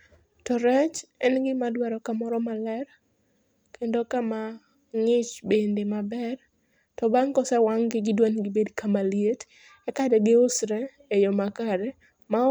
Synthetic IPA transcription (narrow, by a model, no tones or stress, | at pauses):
tɔɾɛt͡ʃɛnɡɪmadwɛɾɔkamɔɾɔmalɛr | kʰendokama | ŋɪt͡ʃbendemabɛr | tɔbaŋkɔsɛwaŋɡɪɡɪdwanɡɪbedkamaljet | ɛkadɛɡɪosɾɛ | ejɔmakaɾɛ | ma